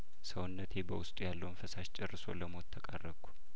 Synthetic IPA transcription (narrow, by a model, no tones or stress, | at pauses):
səwʊnːət̪ʰebəwʊst̪ʼujalːəwnfəsaʃt͡ʃʼɪrːɨso̞̰ləmo̞t̪ʰːəkʼa̰rːəkːu̥